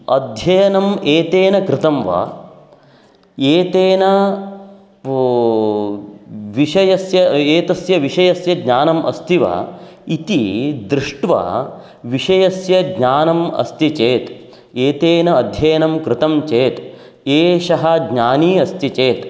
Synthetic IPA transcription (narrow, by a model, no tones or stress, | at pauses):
ɐd̪ʱjɐjɐnɐmeːt̪eːnɐkɾɪt̪ɐmʋɐ̰ | eːt̪eːnɐ | ʋiʃɐjɐsjɐeːt̪ɐsjɐʋiʂɐjɐsjɐɡɲaːnɐmɐ̰st̪iʋɐ̰ | it̪id̪ɾɪʂʈʋɐ̰ | ʋiʂɐjɐsjɐɡɲaːnɐmɐ̰st̪it͡ʃeːt̪ | eːt̪eːnɐːd̪ʱjɐjɐnɐmkɾɪt̪ɐmt͡ʃeːt̪ | eːʃɐɦɐɡɲaːniːɐst̪it͡ʃeːt̪